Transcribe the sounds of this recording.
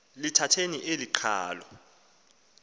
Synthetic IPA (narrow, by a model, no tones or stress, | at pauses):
litʰatʰeniʔeliǃʰa̰ːlɔ